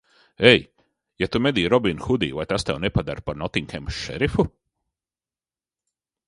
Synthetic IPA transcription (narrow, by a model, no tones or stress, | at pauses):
ɛj | jat̪umed̪iːɾɔbinxud̪iːvajt̪ast̪ɛwnɛpad̪aɾpaɾnɔt̪iŋkʲɛmʃʃɛ̰ɾifu